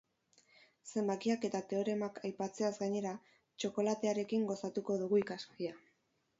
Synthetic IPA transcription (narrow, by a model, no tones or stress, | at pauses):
se̞mbakiake̞t̪at̪e̞o̞ɾe̞makʰajpat͡se̞azɡaɲe̞ɾa | t͡ʃo̞ko̞lat̪e̞aɾe̞kiŋɡo̞sat̪uko̞ðuɣuikaskia